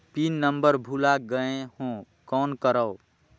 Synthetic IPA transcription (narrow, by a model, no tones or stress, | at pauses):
pinːəmbəɾbʱulaɡəẽhõ | kɔːnkəɾəw